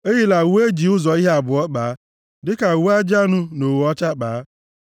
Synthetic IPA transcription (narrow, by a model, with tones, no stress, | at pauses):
e˦ɦi˦la˨we˦d͡ʒi˨ʊ˦zɔ˨i˦ɦe˦a˨bʊ˨ɔ˦k͡paː˨a˦ | dɪ˦ka˨wu˦a˦d͡ʒa˦nʊ˦no˨wɔ˦t͡ʃa˦k͡paː˨˦